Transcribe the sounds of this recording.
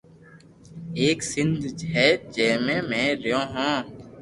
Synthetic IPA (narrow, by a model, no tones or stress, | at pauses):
eːksɪ̃nd̪ʱd͡ʒɦɛːd͡ʒɛːmẽːmɛ̃ːɾjõːɦõː